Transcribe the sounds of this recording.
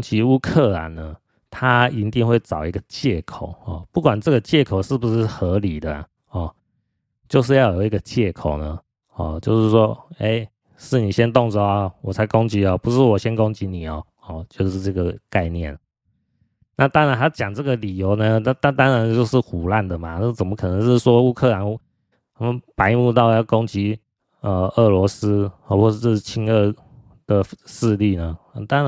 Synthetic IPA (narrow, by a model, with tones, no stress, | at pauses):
ŋt͡ɕi˧˥u˥kʰɤ˥˩la̰˨˦nnə˦ | t̪ʰa˦i˧˥nt̪i˥˧ŋxwe˥˩ɪt͡sɑ˨˩ʊi˦˥ɡə˨t͡ɕjɛ˥˩kʰo˨˩ʊɔ̰˨˩pu˥˩kwa˨˩nʈ͡ʂɤ˥˩ɡə˨t͡ɕjɛ˥˩kʰo˨˩ʊʂɻ̩˥˩bu˨˦ʂɻ̩˥˩xɤ˧˥li˨˩d̪ə˦a̰˨˩ | ɔ˨ | t͡ɕjo˥˧ʊʂ̬ɻ̩˥˧jɑ˥˩ʊjo˨˩ʊi˧˥ɡə˨˧t͡ɕjɛ˥˩kʰo˨˩ʊnə˦ | ɔ̰˨˩t͡ɕjo˥˧ʊʂɻ̩˥˩swɔ˦e˥˩ɪ | ʂɻ̩˥˩ni˨˩ɕjɛ˦nt̪ɔ˥˨˩ŋt͡sə˨˩a˨˦wɔ˨˩t͡sʰa˧˥ɪko˦ŋt͡ɕi˧˥ɔ˨pu˧˦ʂɻ̩˥˩wɔ˨˩ɕjɛ˦nko˦ŋt͡ɕi˧˦ni˨˩ɔ˨˦ | ɔ˥˩t͡ɕjo˥˧ʊʂɻ̩˥˧ʈ͡ʂɤ˥˩ɡə˩ka˥˧ɪnjɛ̰˥˨˩n | na˥˨t̪ɑ˥ŋɻa˧˦nt̪a˥t͡ɕjɑ˨˩ŋʈ͡ʂɤ˥˩ɡə˨li˨˩jo˧˥ʊnə˧na˥˧t̪a˥˧t̪ɑ˥ŋɻa˧˥nt͡ɕjo˥˧ʊʂɻ̩˥˩xu˨˩la˥˩nd̪ə˩ma˩a˥˩t͡sə˨˩nmə˦kʰɤ˨˩nə˧˦ŋʂɻ̩˥˩ʂwɔ˥u˥˧kʰɤ˥˩la˧˦n˥ | a˥mə˧˦npa˧˥ɪmu˥˧t̪ɑ˥˧ʊjɑ˥˩ʊkɔ˥ŋt͡ɕi˧˥ | ə˧ə˥˩lwɔ˧˥sɹ̩˥˧wɔ˥˧ʂ̩˥˧˩ɻ̩˥˩˨t͡ɕʰi˥ŋə˥˩ | d̪̥ə˨ʂɹ̩˥˧li˥˩nə˩˥˩t̪ɑ˥ŋa˧˦